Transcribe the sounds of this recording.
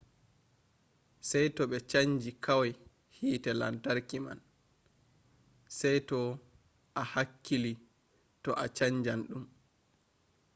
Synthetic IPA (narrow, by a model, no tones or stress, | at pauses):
sajtɔɓɛt͡ʃaɲd͡ʒikʰawaj | hiːtɛla̰ntaɾkima̰n | sɛjtɔ | ʔahakːili | tɔʔat͡ʃaɲd͡ʒanɗum